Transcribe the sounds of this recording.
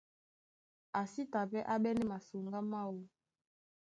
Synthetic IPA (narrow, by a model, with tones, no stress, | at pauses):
a˨si˦ta˨pɛ˦ʔa˦ɓɛ˦nɛ˦ma˨so˨ŋɡa˦ma˦˨wo˦